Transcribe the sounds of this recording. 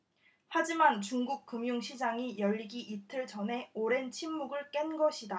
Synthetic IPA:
had͡ʑimant͡ɕuŋɡuk̚k͈ɯmjuŋɕʰid͡ʑaŋijʌʎːiɡiʔitʰɯɭd͡ʑʌnɦe̞oɾe̞nt͡ɕʰimːuɡɯɭk͈e̞nɡʌɕʰida

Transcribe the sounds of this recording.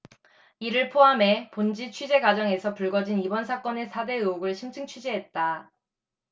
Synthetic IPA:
iɾɯɭpʰoɦame̞pond͡ʑit͡ɕʰɥid͡ʑe̞ɡwad͡ʑʌŋe̞sʰʌpuɭɡʌd͡ʑinibʌnsʰak͈ʌne̞sʰade̞ɯooɡɯɭɕʰimt͡ɕʰɯŋt͡ɕʰid͡ʑiɦet̚t͈a

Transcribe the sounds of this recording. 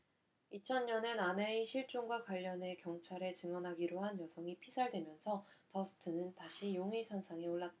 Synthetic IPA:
it͡ɕʰʌnɲʌne̞nane̞iɕʰiɭt͡ɕ͈oŋɡwakwaʎːʌne̞kjʌŋt͡ɕʰaɾe̞t͡ɕɯŋʌnɦaɡiɾoɦanjʌsʰʌŋipʰisʰaɭdwe̞mjʌnsʰʌtʌsʰɯ̥tʰɯnɯntaɕʰijoŋisʰʌnsʰaŋeoɭːat͈

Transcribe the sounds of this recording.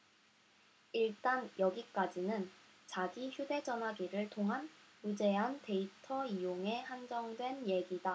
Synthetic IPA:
iɭt͈anjʌɡik͈ad͡ʑinɯn | t͡ɕaɡiçjude̞d͡ʑʌnɦaɡiɾɯɭtʰoŋɦanjud͡ʑe̞ɦante̞itʰʌijoŋe̞hand͡ʑʌŋdwe̞nje̞ɡida

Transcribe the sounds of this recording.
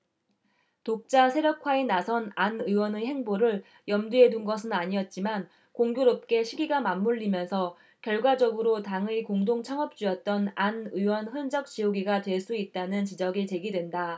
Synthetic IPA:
tok̚t͡ɕ͈asʰeɾjʌkʰwaenasʰʌnanɯwʌnɯɦe̞ŋboɾɯɭ | jʌmdue̞dunɡʌs̬ʰɯnaɲiʌt̚t͡ɕ͈iman | koŋɡjoɾop̚k͈e̞ɕʰiɡiɡamamːuɭːimjʌnsʰʌ | kjʌɭɡwad͡ʑʌɡɯɾotaŋɯikoŋdoŋt͡ɕʰʌŋʌp̚t͡ɕ͈uʌt̚t͈ʌnanɯwʌnɸɯnd͡ʑʌk̚t͡ɕ͈ijoɡiɡadwe̞ɭs͈uit̚t͈anɯnt͡ɕid͡ʑʌɡit͡ɕe̞ɡidwe̞nda

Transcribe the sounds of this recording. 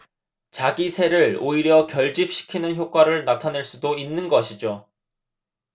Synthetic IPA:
t͡ɕaɡisʰe̞ɾɯɭoiɾjʌkjʌɭd͡ʑip̚ɕ͈i̥kʰinɯnçjok͈waɾɯɭnatʰanɯɭs͈udoinːɯnɡʌɕʰid͡ʑo

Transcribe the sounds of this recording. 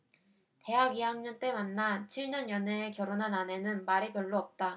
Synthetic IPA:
te̞ɦaɡiɦaŋɲʌnt͈e̞manːat͡ɕʰiɭɲʌnjʌneːkjʌɾonɦanane̞nɯnmaɾepjʌɭːoʌp̚t͈a

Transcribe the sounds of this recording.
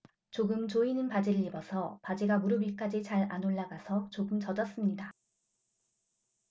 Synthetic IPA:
t͡ɕoɡɯmt͡ɕoinɯnpad͡ʑiɾɯʎːibʌsʰʌpad͡ʑiɡamuɾubiɭk͈ad͡ʑit͡ɕaɾanoɭːaɡasʰʌt͡ɕoɡɯmt͡ɕʌd͡ʑʌs͈ɯmɲida

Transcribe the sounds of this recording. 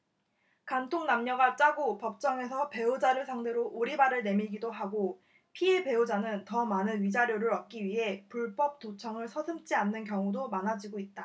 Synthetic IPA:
kantʰoŋnamɲʌɡat͡ɕ͈aɡopʌp̚t͡ɕ͈ʌŋe̞sʰʌpe̞od͡ʑaɾɯɭsʰaŋde̞ɾoʔoɾibaɾɯɭne̞miɭɡidoɦaɡo | pʰiepe̞od͡ʑanɯntʌmanɯnɥid͡ʑaɾjoɾɯɾʌp̚k͈iɥiɦe̞puɭp͈ʌp̚t͈ot͡ɕʰʌŋɯɭsʰʌsʰɯmt͡ɕ͈ianːɯnk̬jʌŋudomanɦad͡ʑiɡoit̚t͈a

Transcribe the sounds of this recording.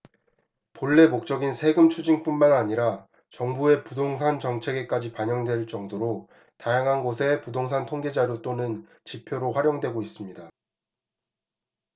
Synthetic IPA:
poɭːe̞mok̚t͡ɕ͈ʌɡinsʰe̞ɡɯmt͡ɕʰud͡ʑiŋp͈unmanaɲiɾa | t͡ɕʌŋbue̞pudoŋs̬ʰant͡ɕʌŋt͡ɕʰe̞ɡe̞k͈ad͡ʑipaɲʌŋdwe̞ɭt͡ɕ͈ʌŋdoɾo | tajaŋɦanɡosʰe̞pudoŋs̬ʰantʰoŋɡe̞d͡ʑaɾot͈onɯn | t͡ɕipʰjoɾoɸwaɾjoŋdwe̞ɡois͈ɯmɲida

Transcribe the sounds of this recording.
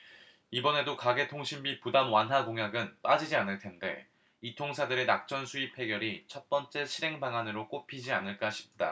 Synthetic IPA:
ibʌne̞dokaɡe̞tʰoŋɕʰimbipudamwanɦaɡoŋɦjaɡɯnp͈ad͡ʑid͡ʑianɯɭtʰe̞nde̞̰ | itʰoŋsʰadɯɾe̞nak̚t͡ɕ͈ʌnsʰuip̚ʰe̞ɡjʌɾit͡ɕʰʌt̚p͈ʌnt͡ɕ͈e̞ɕʰiɾe̞ŋbaŋanɯɾok͈opʰid͡ʑia̰nɯɭk͈aɕʰi̥p̚t͈a̰

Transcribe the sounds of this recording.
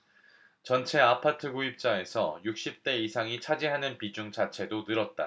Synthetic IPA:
t͡ɕʌnt͡ɕʰe̞apʰatʰɯɡuip̚t͡ɕ͈ae̞sʰʌjuk̚ɕ͈ip̚t͈e̞isʰaŋit͡ɕʰad͡ʑiɦanɯnpid͡ʑuŋt͡ɕʰat͡ɕʰe̞donɯɾʌt̚t͈a̰

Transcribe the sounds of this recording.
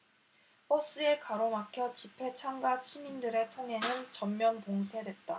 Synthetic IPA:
pʌs͈ɯe̞kaɾomakʰjʌt͡ɕipʰe̞t͡ɕʰaŋɡat͡ɕʰimindɯɾe̞tʰoŋe̞nɯnt͡ɕʌmːjʌnpoŋsʰe̞dwe̞t̚t͈a

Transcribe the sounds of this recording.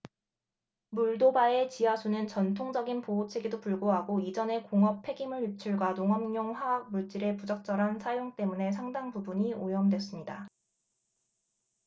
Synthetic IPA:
muɭdobae̞t͡ɕiasʰunɯnt͡ɕʌntʰoŋd͡ʑʌɡinpoot͡ɕʰeɡidopuɭɡoɦaɡoid͡ʑʌne̞koŋʌp̚pʰe̞ɡimɯɭip̚t͡ɕʰuɭɡwanoŋʌmɲjoŋɸwaak̚muɭt͡ɕ͈iɾe̞pud͡ʑʌk̚t͡ɕ͈ʌɾɦansʰajoŋt͈e̞mune̞s̬ʰaŋdaŋpubuɲiojʌmdwe̞s͈ɯmɲida

